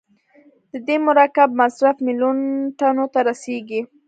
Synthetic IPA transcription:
d̪̥əd̪emʊɾakab̚masɾafmilunʈanot̪aɾaseɡi

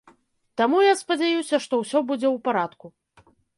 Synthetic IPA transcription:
t̪amujaspɐd͡zʲajusʲɐʂt̪ɔwsʲɔbud͡zʲɛwpaɾat̪ku

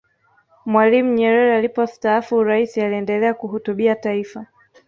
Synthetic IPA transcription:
mwalim̩ɲɛɾɛɾɛalipɔstaafuɾaisialiɛndɛlɛakuhutuɓiataifa

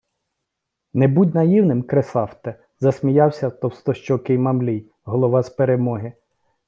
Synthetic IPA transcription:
nɛbudʲnɐjiwnɪmkɾesɑwt̪ɛ | zɐsmʲijɑwsʲɐt̪ɔwst̪ɔʃt͡ʃɔkɪjmɐmlʲij | ɦɔlˠɔʋɑspeɾemɔɦɪ

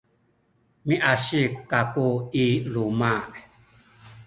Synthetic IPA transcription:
miʔaɕikːakuiluma

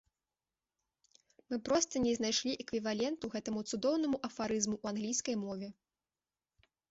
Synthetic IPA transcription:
mɨpɾɔst̪ɐnʲɛznajʂlʲiʔɛkvʲivalʲɛnt̪uɣɛt̪ɐmut̪sud̪ɔwnɐmuʔɐfaɾɨzmuʔːanɣlʲijskɐjmɔvʲɛ

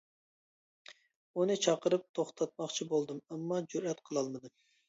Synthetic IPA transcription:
unɨt͡ʃʰɑqəɾɨp̚t̪ʰoχt̪ʰɑt̪̚mɑχt͡ʃʰibolˠd̪ɨmɛmːɑd͡ʒuɾɛt̪qʰəlˠɑlˠmɨd̪ɨ

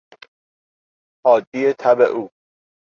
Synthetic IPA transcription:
hɒːd̪ːiːet̪ʰæbḛʔuː

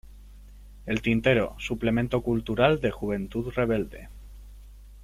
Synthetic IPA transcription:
e̞lt̪int̪e̞ɾo̰suple̞mẽ̞nt̪o̞kult̪uɾald̪e̞xuβ̞ẽ̞nt̪uðre̞β̞e̞ld̪e̞̰

